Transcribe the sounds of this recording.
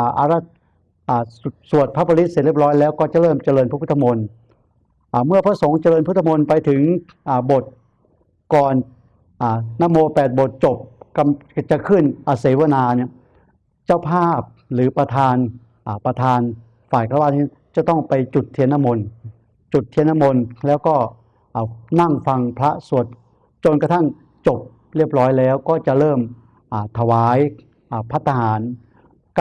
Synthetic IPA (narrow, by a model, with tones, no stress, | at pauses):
ʔa˧ɾa˦˥˩ | ʔaː˨˩˨su˨˩ət̪̚pʰa˦˥pʰːa˧li˦˥t̪̚se˨˩li˥˩p̚ɾɔː˦˥jlɛː˦˥˩wkɔː˥˩t͡ɕa˨˩ɾɤː˥˩mt͡ɕa˧lɤː˧npʰa˦˥pʰu˦˥t̪ʰːa˧mo˧n | ʔaː˨˩mɯ˥˩ɐpʰɾa˥˩so˩˦ŋt͡ɕa˧lɤː˧npʰu˦˥t̪ʰːa˧mo˧npa˧jt̪ʰɯ˩˦ŋ | ʔaː˨˩bo˨˩t̪̚ | kɔː˨˩n | ʔaː˨˩aː˦˥˩mːoː˧pɛː˨˩t̪̚bo˨˩t̪̚t͡ɕo˨˩p̚ka˧mt͡ɕa˨˩kʰɯ˥˩nʔaː˨˧˩seː˨˩˦wa˧˨naː˧ni˥˩ɐ | t͡ɕaː˥˩wpʰaː˥˩p̚lɯː˩˦pɾa˧t̪ʰaː˧n | ʔaː˨˩pɾa˧t̪ʰaː˧n | faː˨˩jkʰa˧˩wa˧˥˩niː˧˥˩ | t͡ɕa˨˩t̪ɔ˥˩ŋpa˧jt͡ɕu˨˩t̪ʰːi˧ənːa˧˥˩mo˧n | t͡ɕu˨˩t̪ʰːi˧əna˧˥˩mo˧nlɛː˦˥wkɔː˥˩ | ʔaː˨˩na˥˩ŋfa˧ŋpʰɾa˦˥su˨˩ət̪̚ | t͡ɕo˧nka˧t̪ʰa˥˩ŋ | t͡ɕo˨˩p̚ | ɾi˥˩əp̚ɾɔː˦˥jlɛː˦˥wkɔː˥˩t͡ɕa˨˩ʔɾɤː˥˩m | ʔaː˨˩t̪ʰa˧waː˩˦j | ʔaː˨˩pʰa˦˥t̪ʰːa˧haː˩˦n | k